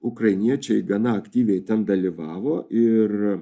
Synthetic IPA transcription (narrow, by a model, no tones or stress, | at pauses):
ʊkɾɐɪnʲiɛt͡ʃʲɛɪɡɐnɐɐkt̪ʲiːʋʲɛɪt̪ʲɛnd̪ɐlʲiʋɑːʋoːʔɪr